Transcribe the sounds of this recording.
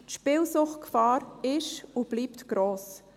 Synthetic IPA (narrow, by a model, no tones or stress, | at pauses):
tʃpɪlsʊχtkfɑːɾɪʃub̥liːptɡ̥ɾoːs